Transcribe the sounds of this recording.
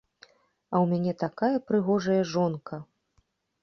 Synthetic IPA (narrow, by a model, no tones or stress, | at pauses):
ɐwmʲanʲɛt̪akajɐpɾɨɣɔʐɐjɐʐɔnkɐ